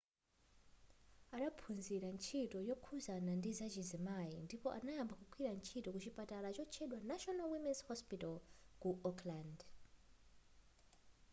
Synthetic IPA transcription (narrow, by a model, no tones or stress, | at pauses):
aɗapʰunziɾant͡ʃʰitʼɔjɔkʰuzanandizat͡ʃizimajindipɔʔanajambakukʰwiɾant͡ʃʰitɔkut͡ʃipʼatalat͡ʃɔt͡ʃʰɛɗwanaʃɔnalwimɛnshɔspitɔlkuɔkʰland